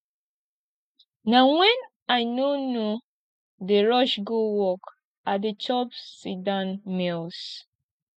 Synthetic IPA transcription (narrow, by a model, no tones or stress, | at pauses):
naŋɛ̃n | aɪnono | deɹɔʃɡowɔk | adɪt͡ʃɔbsidanmils